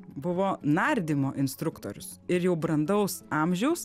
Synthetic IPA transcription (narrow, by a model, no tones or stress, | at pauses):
bʊʋoːnɐɾʲd̪ʲɪmoːʔɪnst̪ɾʊkt̪o̰ːɾʲʊsɪɾjɛʊbɾɐnd̪ɐʊsɑːmʲʒʲɛʊs